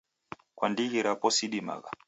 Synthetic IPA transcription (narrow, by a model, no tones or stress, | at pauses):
kwandiɣiɾapɔsiɗima̰ɣa̰